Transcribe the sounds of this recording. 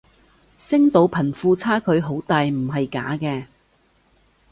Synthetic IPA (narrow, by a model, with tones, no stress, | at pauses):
sɪ˥ŋt̪o˨˥wpʰɐ˨˩nfuː˧t͡sʰaː˥kʰɵ˨˧ɥɦo˨˥wt̪aː˨jm̩˨˩ɦɐ˨jka̰ː˨˥kɛː˧